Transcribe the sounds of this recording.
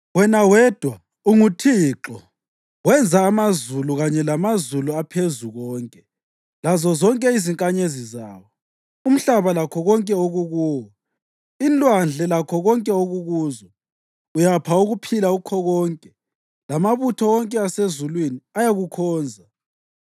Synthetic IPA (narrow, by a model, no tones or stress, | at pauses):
wɛnawɛːd̥ʱwa | uŋutʰiǁɔ | wɛnd͡zʱaːmazuluɣaɲɛlamazuluapʰezuɣɔːŋkʼɛ | lazɔzɔŋkʼɛiziŋkʼaɲezizaːwɔ | um̩ɬaβalakʰɔɣɔŋkʼɛoɣuɣuːwɔ | inlʼwand͡ɮʱɛlakʰɔɣɔŋkʼɛoɣuɣuːzɔ | ujapʰauɣupʰilaukʰɔɣɔːŋkʼɛ | lamaβutʰɔwɔŋkʼɛasezulwiniajaɣukʰɔːnd͡zʱa